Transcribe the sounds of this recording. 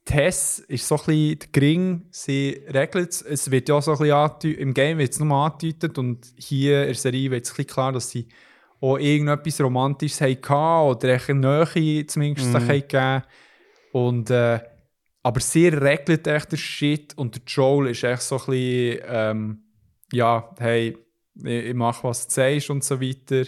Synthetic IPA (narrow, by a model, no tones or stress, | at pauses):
tʰɛsɪʃsoχlid̥əkɾɪŋsiɾɛɡlətsəsʋɪːtjasoχliɑːtyɪmɡɛɪmvɪsnʊməɑːtytətʊnd | hiəɪɾsɛɾiːʋɪːsχlikʰlˠɑːɾd̥ɑsːi | oʔɪɡən̩dœpːisɾomɑntiʃshɛɪkʰɑːɔdəɾɛɪχnœːχit͡smɪnʃtsəχhɛɪkæː | ʊntɛː | ɑbəɾseːɾːɛɡlətɛɪfχd̥əʃɪtʰʊntdət͡ʃɔwlɪʃɛɪfəχsoχliɛm | jɑːhɛɪ | ɪɪmɑχʋɑst͡sɛɪʃʊntsoʋitəɾ